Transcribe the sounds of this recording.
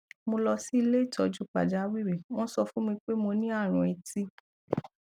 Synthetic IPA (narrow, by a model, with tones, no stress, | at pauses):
mo˧lɔ˧si˦i˧le˦i˦˨tʰɔ˨d͡ʒu˦k͡pa̰˨d͡ʒa˨˦wi˦˨ɾe˨w̃ɔ̃˦sɔ˧fũ˦mĩ˧k͡pe˦mo˧nĩ˦a˦˨ɾ̃ũ˧ɛ˧ti˦